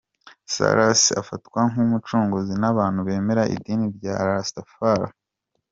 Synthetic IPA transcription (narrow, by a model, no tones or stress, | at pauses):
sa̰ɾasia̰fatwaŋ̥umut͡ʃuːŋɡuzinaβaːn̥huβe̞ːme̞ɾaʔḭdiːniɾɟaːɾastafaɾa̰